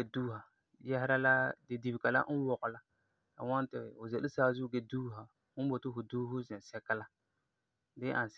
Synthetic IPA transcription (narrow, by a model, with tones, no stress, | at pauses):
e˨duː˦ɦa˨ | jɛ˦hɪ˦ɾa˦la˦dɪ˨di˨bɪ˨ka˨la̰˦n̩˦wɔ˨ɣʊ˨la˦ | ka̰˨ŋa˦n˦tɪ˨ʊ˨zɛ˨lɪ˦saː˦zʊ˦ɡɛ˦duː˦ɦa˨ | ŋ̩˦bo˨tɪ˦ɦʊ˨duː˦ɦʊ˦zɛ˨sɛ˦kːa˦la˦ | dɪ˦ʔa˨n˨s